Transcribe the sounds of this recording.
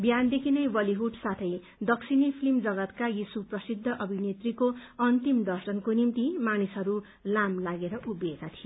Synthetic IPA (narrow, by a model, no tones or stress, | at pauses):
bjand̪ekʰinʌjbʌliɦuɖsat̪ʰʌj | d̪ʌksinipʰilimd͡zʌɡʌt̪kajisuprʌsid̪ʱːʌʔʌbʱinet̪rikoʌnt̪imd̪ʌrsʌnkonimt̪imanisɦʌɾu | lamlaɡeɾʌʔubekat̪ʰijo